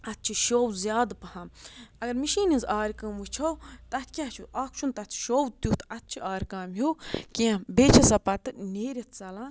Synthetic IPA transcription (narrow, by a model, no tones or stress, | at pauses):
ɐt̪̚t͡ʃʰiʃoːwzʲjaːd̪pɐhãːmɐɡɐɾmiʃiːnizaːɾʲkɐːmʋut͡ʃʰowt̪ɐt̪ʰkʲaːt͡ʃʰuʔaːkʰt͡ʃʰunt̪ɐt̪ʰʃowt̪jut̪ɐt̪̚t͡ʃʰiʔaːɾʲkaːmɦukẽbeːt͡ʃʰɐsɐpɐt̪ɨneːɾʲɐt̪ʰt͡sɐlãː